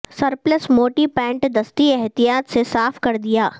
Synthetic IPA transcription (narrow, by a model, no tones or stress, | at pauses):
sɐɾpləsmoːʈipɛ̃ːɳʈd̪ɐst̪iɛɦt̪ijaːt̪sesaːfkɐɾd̪ijaː